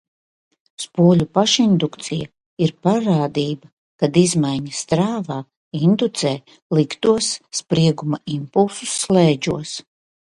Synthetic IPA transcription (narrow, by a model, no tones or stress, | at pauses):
spuɔlʲupaʃind̪ukt̪sija | iɾpaɾaːd̪iːba | kad̪izmajɲast̪ɾaːvaː | ind̪ut̪sɛː | lˠikt̪uɔsːpɾiɛɡumaimpulˠsusːlˠɛːd͡ʒuɔs